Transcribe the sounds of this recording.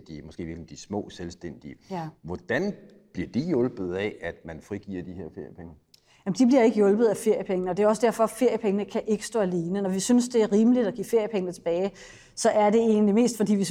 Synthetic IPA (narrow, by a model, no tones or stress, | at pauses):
d̥imɒsɡ̥e̝̰ːʋilkm̩d̥ismɔ̰ːselsd̥en̰d̥iəʋɒd̥æn | b̥liɐd̥ijɔ̽lb̥ð̞̩ˠɛæd̥mænfʁiɡ̥iːɐd̥iheɐfe̝ɐ̰jəpʰeŋə | jæmənd̥ib̥liɐe̝ɡ̥əjɔ̽lb̥ð̞̩ˠæfe̝ɐ̰jəpʰeŋnəɒ̽d̥e̝æɒ̽səd̥æɐfɒ̽fe̝ɐjəpʰeŋənəkʰæʔe̝ɡ̥ə̥sd̥ɔ̰ːæle̝ːnənɒʋisynsd̥e̝æɐʁiːməlid̥ɒ̽ɡ̥ḭːfe̝ɐ̰jəpʰeŋənət͡sʰe̝b̥ɛːɪ | sɒ̽ʔæɐd̥e̝e̝ːnlime̝̰ːsd̥fɒ̽d̥ḭːʋi